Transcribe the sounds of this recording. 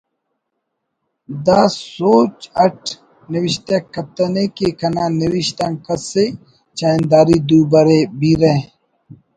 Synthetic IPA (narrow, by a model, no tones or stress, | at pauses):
d̪aːsoːt͡ʃɐʈʰ | niwiɕt̪akɐt̪ɐnekekɐnaːniwiʃt̪aŋkɐse | t͡ʃaːnd̪aːɾid̪uːbɐɾebiɾe